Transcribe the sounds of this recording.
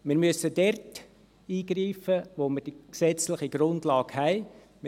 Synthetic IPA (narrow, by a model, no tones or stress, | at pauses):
mɪːɾmyəsədɛrt | iːɡriːfəʋoməɾd̥iksɛt͡slɪχiɡ̥ɾʊndlɑːɡhɛɪ | m